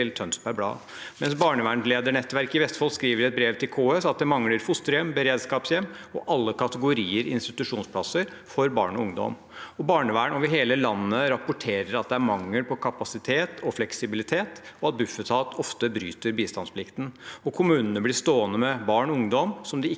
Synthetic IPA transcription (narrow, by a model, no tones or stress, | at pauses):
ɪlt̪ʰœnspæɾblɑ̰ː | mɛnsbɑːɳəʋæːɳleːd̪əɳɛt̪ːʋæɾkɪʋɛst̪fɔlskɾiːʋəɾɛt̪̚bɾeːʋt̪ʰɪlkʰoːøːsɑt̪̚d̪ɛmɑŋləɾfʊst̪əɾjɛmbəɾeːd̪skɑːpsjɛm | ɔ̰ʔɑlːəkɑt̪əɡʊɾiːəɾɪ̰ɪnst̪ɪt̪ʉʂuːnspʰlɑsəɾ | fɔɾbɑ̰ːɳɔʊŋd̪ɔ̰m | ɔbɑːɳəʋæːɳɔʋɪɦeːləlɑnːəɾɑpʊʈʰeːɾəɾɑt̪̚d̪ɛæɾmɑŋːəlpʰɔkʰɑpɑsɪt̪ʰeːt̪ʰɔflɛksɪbɪlɪt̪ʰeːt̪ɔɑt̪̚bʉfət̪ʰɑːt̪ʰɔft̪əbɾy̰ːt̪əɾbiːst̪ɑnspʰlɪkt̪nɔkʰʊmʉːnənəblɪst̪oːənəmɛbɑːɳɔʊŋd̪ɔmsɔmd̪ɪɪ